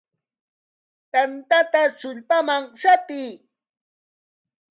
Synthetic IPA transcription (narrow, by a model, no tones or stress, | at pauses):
t̪ant̪at̪asʊʎpamaŋsap̪iː